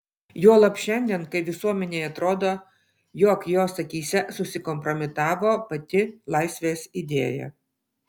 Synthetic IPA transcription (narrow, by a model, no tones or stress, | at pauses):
joːlˠɐpʃʲɛnʲd̪ʲiɛnkɐɪʋʲɪsuɔmʲɛnʲeːɐt̪ɾoːd̪oː | joːkjoːsɐkʲiːsʲɛsʊsʲɪkɔmpɾɔmʲɪt̪ɑːʋoːpɐt̪ʲɪlˠɐɪsʲʋʲeːsid̪ʲḛːjɛ̰